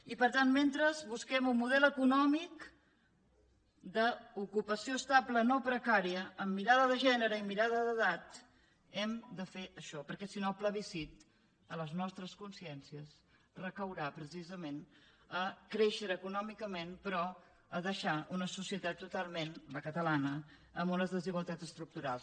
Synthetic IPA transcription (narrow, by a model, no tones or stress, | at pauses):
ipəɾt̪anment̪ɾəzβuskɛmumːuðɛlˠəkunɔmik | d̪əukupəsioəst̪aplənopɾəkaɾiəːmːiɾaðəðəʒɛnəɾəimiɾaðəðəðat̪ | ɛmd̪əfeʔəʃɔpəɾkɛsinopləβisit̪ | ələznɔst̪ɾəskunsiɛnsiəs | rəkəwɾapɾəsizəmen | əkɾeʃəɾəkunɔmikəmenpɾɔ | əðəʃaunəsusiət̪at̪ːut̪alˠmenləkət̪əlanə | əmbunəzðəziɣwəlˠt̪at̪zəst̪ɾuk̚t̪uɾalˠs